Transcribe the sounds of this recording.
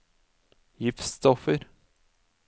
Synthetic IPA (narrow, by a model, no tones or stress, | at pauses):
jɪfst̪ɔfəɾ